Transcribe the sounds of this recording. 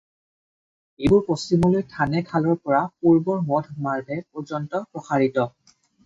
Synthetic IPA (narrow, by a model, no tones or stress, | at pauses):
ebʊɹpostimɔlojtʰanɛkʰalɔɹpɔɹapuɹbɔɹmɔdʱmaɹbʱɛpɔzɔntɔpɹɔxaɹitɔ